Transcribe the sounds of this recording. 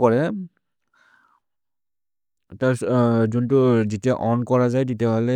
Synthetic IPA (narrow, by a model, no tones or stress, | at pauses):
kɔɹɛ | tazuntʊzitiaʔɔnkɔɹazajtitiabʱalɛ